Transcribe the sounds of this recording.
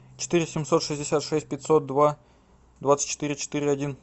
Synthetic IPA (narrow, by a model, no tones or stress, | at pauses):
t͡ɕɪ̥t̪ɨɾʲɪsʲɪmso̞t̪ʂɨzʲdʲɪsʲat̪ʂɛsʲt̚ʲpʲɪtʲsot̪̚d̪va | d̪vat̪sɨ̥t͡ɕːɪ̥t̪ɨɾʲɪt͡ɕɪ̥t̪ɨɾʲɪɐdʲin